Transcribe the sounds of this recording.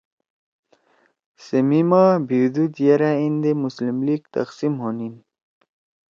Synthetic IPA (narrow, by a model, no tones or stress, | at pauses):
səmimabiwd̪ud̪jeɾaind̪emuslimliɡt̪ɐ̰qsimhonin